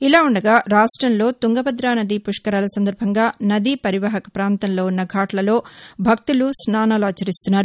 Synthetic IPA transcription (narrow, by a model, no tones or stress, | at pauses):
ilaːuɳɖɐɡaːɾaːʂʈɾɐnlo̞ːt̪uŋɡɐbɐd̪ɾaːnɐd̪ipuʂkɐɾaːlɐsɐnd̪ɐɾbʱɐŋɡaːnɐd̪ipɐɾiʋaːɦɐkɐ̥pɾaːnt̪ɐnlo̞ːunːɐɡʱaːʈlɐlo̞ːbʱɐk̚t̪ulusnaːnaːluaːt͡ʃɐɾist̪unːaːɾu